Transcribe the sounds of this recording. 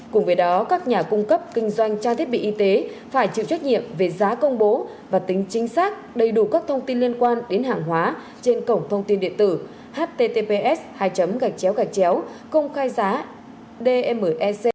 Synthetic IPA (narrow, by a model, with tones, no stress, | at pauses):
kʊ˨˩ŋ͡mvə˨˦jɗɔ˨˦kaː˦˥k̚ɲaː˨˩kʊ˧ŋ͡mkə˦˥p̚kï˧ŋ̟zwa˧jŋ̟t͡ɕaː˧t̪i˦˥əɓḭ˧˨ʔi˧t̪e˨˦ | faː˧˩jt͡ɕḭ˧˨wt͡ɕwa˦˥t̚ɲḭ˧˨əmve˨˩zaː˨˦kə˧wŋ͡mɓo˨˦ | vaː˨˩t̪ï˨˦ŋ̟t͡ɕï˨˦ŋ̟saː˦˥k̚ɗə˧˩jɗu˧˩kaː˦˥k̚t̪ʰə˧wŋ͡mt̪i˧nli˧ənkwaː˧nɗe˨˦nɦaː˨˩ŋɦwaː˨˦ | t͡ɕe˧nkə˧˩wŋ͡mt̪ʰə˧wŋ͡mt̪i˧nɗḭ˧˨ənt̪ɨ̰˧˩ | haː˦˥t̚t̪e˧t̪e˧pe˧ʔɛ˦˥shaː˧˩jt͡ɕə˨˦mɣa˨˩k̚t͡ɕɛ˨˦wɣa˨˩k̚t͡ɕɛ˨˦w | kə˧wŋ͡mxaː˧jzaː˨˦ | ɗe˧ʔɛ˧mə˨˩ʔɛ˧se˧